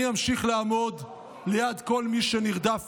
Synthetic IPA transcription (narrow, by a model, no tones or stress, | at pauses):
jamʃiχleamo̞d | lejad̪ko̞lmiʃeniʁd̪af